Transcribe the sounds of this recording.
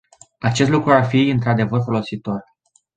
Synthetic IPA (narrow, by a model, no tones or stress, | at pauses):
at͡ʃest̪lukɾuarfiɨnt̪ɾad̪e̞vərfo̞lo̞sit̪o̞r